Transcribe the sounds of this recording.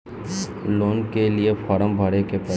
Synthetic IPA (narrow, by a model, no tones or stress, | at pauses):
loːnkeliefɐɾəmbʱɐɽekepɐ